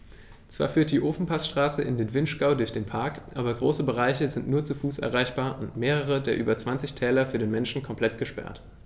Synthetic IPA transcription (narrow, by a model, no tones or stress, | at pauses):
t͡sv̥a̰ːɐfyːɐt̚d̥iːʔoːfn̩pʰasʃtʁ̥aːsəʔɪ̰ndeːnvɪnʃɡ̥aʊdʊɐçd̥eːnpʰaɐkʔa̰ːbɐɡʁoːsəbəʁ̞aɪçəzɪntnuːɐt͡sufuːsʔɛ̰ɐʁ̞aɪçb̥aːɐʔʊntmeːʁəʁ̞ədeːɐʔyːbɐt͡sv̥ant͡sɪçtʰɛːlɐfyːɐdeːnmɛnʃn̩kʰɔmpl̥ɛtɡ̥əʃpɛ̰ɐt